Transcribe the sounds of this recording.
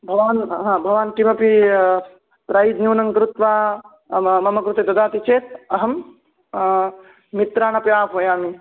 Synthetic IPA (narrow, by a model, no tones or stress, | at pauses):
bʱɐʋaːnɦãːbʱɐʋaːnʈimɐpi | pɾaːjid̪nuːnɐŋkɾut̪ʋaː | mɐmɐkɾut̪ed̪ɐd̪aːt̪it͡ʃeːt̪̚ɐɦɐm | it̪ɾaːɳɐpjaːpʋɐjaːmi